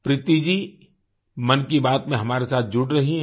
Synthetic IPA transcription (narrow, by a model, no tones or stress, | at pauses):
pɾɪt̪id͡ʒiː | mɐnkibaːt̪mẽɦɐmaːɾesaːt̪̚ʰd͡ʒʊʈɾɐɦiɦ